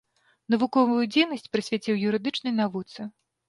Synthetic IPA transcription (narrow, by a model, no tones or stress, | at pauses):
nɐvukɔvujud͡zʲejnɐsʲt͡sʲpɾɨsʲvʲat͡sʲiwjuɾɨd̪ɨt͡ʂnɨjnavut̪sɨ